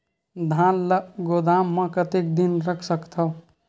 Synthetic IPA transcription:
d̪ʱãːnləɡod̪aːmːə̃kət̪ek̚d̪inɾəkʰsəkt̪ʰə

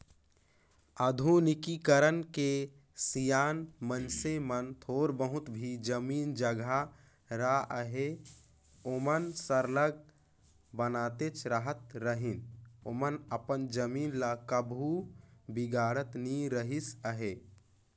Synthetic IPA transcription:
əd̪ʱunikikəɾənke | sijaːnmənsemənt̪ʰoːɾbəɦʊt̪bʱid͡ʒəmiːnd͡ʒəɡʱa | ɾaəɦe | omənsəɾləɡ̚ | bənaːt̪et͡ʃɾəɦət̪ɾəɦinomənəpənd͡ʒəmiːnlakəbʱubiɡaːɽət̪niɾəɦisəɦe

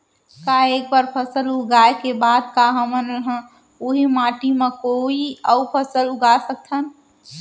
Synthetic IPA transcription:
kaek̚baɾpʰəsəluɡaekebad̪kaɦəmənɾəɦə̃ | oɦimaʈimẽkoiəupʰəsəluɡasək̚t̪ʰən

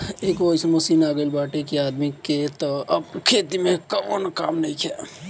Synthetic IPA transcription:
ekoɦiseməsiːnaɡəlbaːʈekeaːd̪miket̪ɔəbkʰet̪imekənkaːmnəikʰɛ

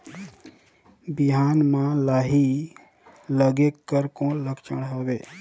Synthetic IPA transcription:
bɪɦaːnmãlaːɦi | ləɡekːəɾkõləkʰt͡ʃəɽɦoʋeː

